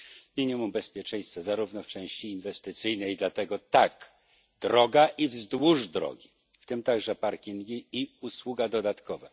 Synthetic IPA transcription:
mʲiɲimumbɛspʲjɛt͡ʂɛ̃j̃st̪fɛzaɾuvnɔft͡ʂɛ̃w̃ɕt͡ɕiːnvɛst̪ɘt̪sɘjnɛjd̪lat̪ɛɡɔt̪ak | d̪ɾɔɡaʔivzd̪wuʐd̪ɾɔ̰ɡʲi | ft̪ɘmt̪aɡʐɛpaɾkʲiŋɡʲiːuswuɡad̪ɔd̪at̪kɔvɛ

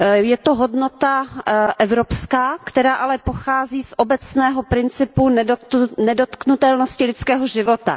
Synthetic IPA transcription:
jɛt̪oɦo̞dno̞t̪aʔɛvɾopskaːkt̪ɛɾaːʔalɛpoxaːziːsʔobɛt͡snɛːɦopɾɪnt͡sɪpunnɛdot̪knut̪ɛlno̞scɪlɪtt͡skɛːɦoʒɪvo̞t̪a̰

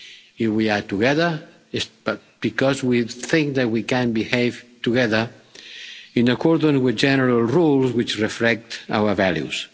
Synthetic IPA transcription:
ifwiat̪uɡɛðə˞ | ɪsb̥t̚ | b̥ikɔzwiθɪ̃ŋk̚ðat̚wikæ̃nbihejvtuɡɛðə˞ | ĩnakɔɾd̪ə̃nswiðd͡ʒɛnəɾalˠrulˠzwit͡ʃrɛflɛk̚t̪a̰wə˞valjṵs

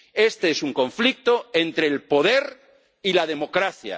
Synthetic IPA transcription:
e̞st̪eesuŋkõ̞ɱflik̚t̪o̞ent̪ɾe̞ːlpo̞ðe̞ɾ | ilað̞e̞mokɾaθja̰

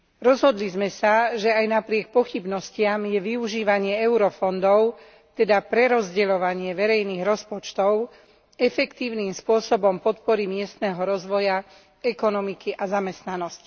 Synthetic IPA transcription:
ɾɔzɦɔd̪lizmɛsaʒɛajnapɾɪɛk̚pɔxibnɔscɪamjɛʋiuʒiːʋaɲɪɛɛʊɾɔfɔnd̪ɔʊ | t̪ɛd̪apɾɛɾɔzɟɛlɔʋaɲɪɛʋɛɾɛjniːɣɾɔspɔt͡ʃt̪ɔʊ | ɛfɛkt̪iːʊniːmspʊɔsɔbɔmpɔt̪pɔɾimɪɛst̪nɛːɦɔɾɔzʋɔja | ɛkɔnɔmikiʔazamɛst̪nanɔsc

